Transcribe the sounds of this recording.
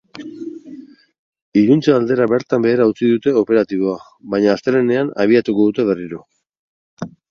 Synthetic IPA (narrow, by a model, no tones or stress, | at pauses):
iɾunt͡seald̪e̞ɾaβe̞ɾt̪ambe̞ːɾaut͡siðut̪e̞o̞pe̞ɾat̪iβ̞o̞a | βajɲaːst̪eɾene̞ana̰β̞iat̪uko̞ðut̪e̞β̞e̞riɾo̞